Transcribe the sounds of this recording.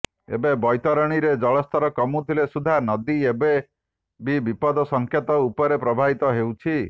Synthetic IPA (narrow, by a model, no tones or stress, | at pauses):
ḛbebɔjt̪ɔɾɔɽ̃iɾed͡ʒɔɭɔst̪ʰɔɾɔkɔmut̪ʰilesud̪ʱanɔd̪iebe | bibipɔd̪ɔsɔŋkʰjet̪ɔupɔɾepɾɔbʱabit̪ɔɦewt͡ʃʰi